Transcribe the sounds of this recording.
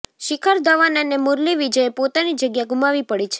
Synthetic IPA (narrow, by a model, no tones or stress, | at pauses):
ʃɪkʰaɾd̪əʋananemʊɾliʋid͡ʒəepot̪anid͡ʒəɡjaɡumaʋipəɽit͡ʃʰe̥